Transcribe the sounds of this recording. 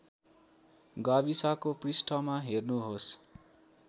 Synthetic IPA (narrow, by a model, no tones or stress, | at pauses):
ɡaβisakoprisʈʰʌmaɦernuɦos